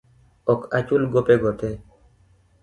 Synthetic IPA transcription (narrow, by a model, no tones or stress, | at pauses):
ɔkat͡ʃulɡopeɡɔtɛ